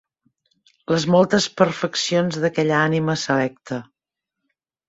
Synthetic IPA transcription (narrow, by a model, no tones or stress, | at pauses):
ləzmolˠt̪əspəɾfəksionzðəkɛʎəaniməsəlɛk̚t̪ə